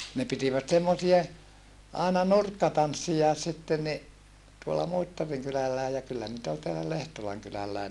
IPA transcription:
ne pitiʋæt semːosie ɑˑenɑ nurkːɑtɑnsːijɑes sitːen ni tuolːɑ muitːɑriŋ kylælːæe jɑ kylːæ nit ol teælæ lehtolɑŋ kylælːæi

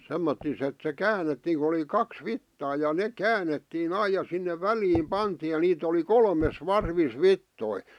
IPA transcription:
semːotːis et se kæːnetːiːŋ ku oli kɑks ʋitːɑː jɑ nek̆ kæːnetːiːn ɑij̆ jɑ sinːe ʋæliːm pɑntiːj̆ jɑ niːt oli kolmes ʋɑrʋis ʋitːoi

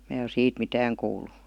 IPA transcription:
mæː o siːt mitæːŋ kuːlˑu

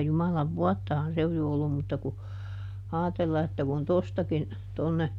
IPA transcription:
jumɑlɑʋ ʋuɔtːɑhɑn se oj jo olːum mutːɑ ku ɑːtelːɑ etːæ kun tostɑkin tonːe

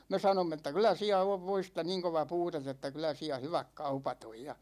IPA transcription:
no me sɑnomː etːæ kylæ siæ oʋ ʋoistɑ niːŋ koʋɑ puːtet etːæ kylæ siæ hyʋæk kɑupɑt oj jɑ

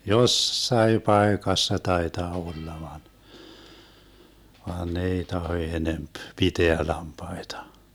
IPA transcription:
josːɑi pɑekɑsːɑ tɑetɑː olːɑ ʋɑn ʋɑːn ne ei tɑho enemp piteæ lɑmpɑitɑ

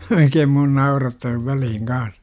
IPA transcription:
oikeːm mun nɑurɑtːɑː ʋælihiŋ kɑːs

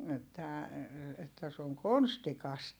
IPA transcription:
etːæ etːæ se oŋ konstikɑst

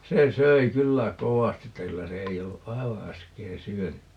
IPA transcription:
se søi kylːæ kowɑsti etːæ kylːæ se ei olːu ʔɑi̯ʋɑ æskeː syønykːæ

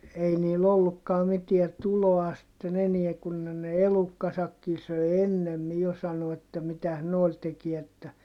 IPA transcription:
ei niːl olːukːɑː mitiæ tuloɑ sĭtːen eniɛ kun ne ne elukːɑsɑkːi søi enːemːi jo sɑnoɑt etːæ mitæs noˑi̯l tekiɛ etːæ

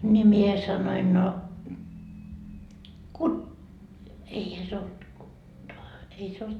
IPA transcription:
nʲi mie sɑnoin no ku eihæ se olt ei se olt

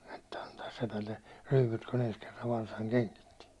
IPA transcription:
etːæ ɑntɑːs sepælːe ryːput kun ens kerːɑʋ ʋɑrsɑŋ keŋkitːi

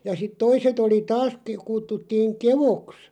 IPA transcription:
jɑ sit toiset oli tɑːs ke kutːutːiːŋ keʋoks

